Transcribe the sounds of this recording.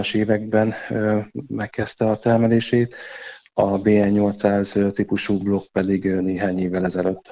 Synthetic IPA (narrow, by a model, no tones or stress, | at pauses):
ɒʃeːvɛɡ̚bɛn | mɛkːɛst̪ɛɒt̪ɛrmɛleːʃeːt̪ | ɒbeːɛnɲːo̞lt̪saːzøt̪ipuʃuːblo̞k̚pɛd̪iɡneːɦaːɲeːvːɛlɛzɛløt̪ː